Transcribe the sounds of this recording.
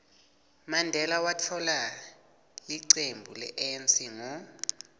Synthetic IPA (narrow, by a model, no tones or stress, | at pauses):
mandʱɛlawatʰɔla | liǀembʱulɛ̰ʔent͡sʼiŋɔ